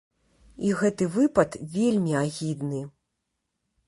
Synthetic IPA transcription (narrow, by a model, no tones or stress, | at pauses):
iɣɛt̪ɨvɨpɐt̪vʲelʲmʲiaɣʲid̪nɨ